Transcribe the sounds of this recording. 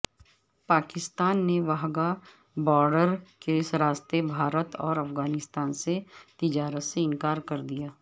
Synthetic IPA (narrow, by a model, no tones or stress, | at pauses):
paːkɪst̪aːnːeʋaɦɡa | bɔːɾɖəɾkesɾaːst̪ebʱaːɾət̪ɔːɾɐfɡaːnɪst̪aːnset̪ɪd͡ʒaːɾət̪seɪ̃ŋkaːɾkɐɾd̪ijaː